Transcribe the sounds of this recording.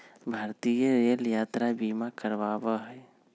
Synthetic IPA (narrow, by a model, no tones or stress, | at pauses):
bʱaɾt̪ijəɾeljaːt̪ɾabimakəɾʋaːbəɦɛ